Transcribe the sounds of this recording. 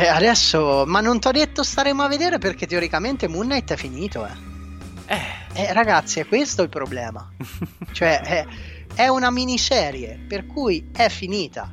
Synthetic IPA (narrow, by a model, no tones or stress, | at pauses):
ɛad̪ɛsːomanːont̪ɔd̪ːet̪ːost̪aɾeːmoavːed̪eːɾeperk̟et̪ːeoɾikament̪emunːajt̪ːɛfiniːt̪oɛ | ɛɛraɡat̪sːiɛkːwest̪oilpɾoblɛːma̰t͡ʃoɛʔɛ | ɛunaminisɛːɾjeperkujɛfːiniːt̪a̰